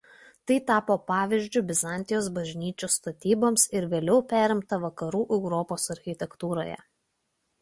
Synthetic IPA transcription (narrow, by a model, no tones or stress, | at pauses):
t̪ɐɪt̪ɑːpoːpɑːʋʲiʒʲd͡ʒʲʊbʲɪzɑˑnʲt̪ʲɪjoːsbɐʒʲnʲiːt͡ʃʲust̪ɐt̪ʲiːboːmsɪɾʋʲeːlʲɛʊpʲæːɾʲɪmt̪ɐʋɐkɐɾuːʔɛʊɾɔːpoːsɐɾʲxʲɪt̪ʲɛkt̪uːɾo̰ːjɛ̰